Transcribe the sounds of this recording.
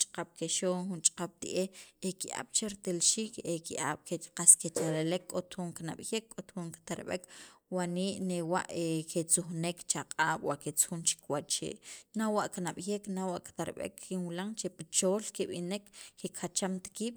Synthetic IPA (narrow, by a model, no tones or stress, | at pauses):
t͡ʃʼaqaɓ̥keʃoːŋxunt͡ʃʼḁqaɓ̥̚t̪ḭʔehekiʔa̰ːɓ̥t͡ʃeɾt̪elʃiːkekiʔa̰ːɓ̥keqasket͡ʃaɾelekːʼot̪xuŋkina̰ɓjekʼːot̪xuŋki̥t̪aɾɓḛkwaniːʔnewa̰ʔekʰet͡suxnekt͡ʃaqʼaːɓ̥waʔket͡sxunt͡ʃi̥kwat͡ʃt͡ʃḛʔnawaʔkinaɓ̥jeknawaʔki̥t̪aɾɓḛkːinwlaŋt͡ʃepit͡ʃoːlkeɓinekːekʰat͡ʃamt̪ḁkiːɓ̥